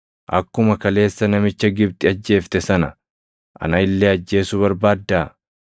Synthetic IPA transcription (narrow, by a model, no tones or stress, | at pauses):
ʔɐkːʊmɐkɐle̞ːsːɐnɐmɪt͡ʃːɐɡɪbt̪ɪɐd͡ʒːe̞ːft̪ɛsɐnɐ | ʔɐ̰nɐɪlːeːɐd͡ʒːe̞ːsʊβɐɾbaːd̪ːaː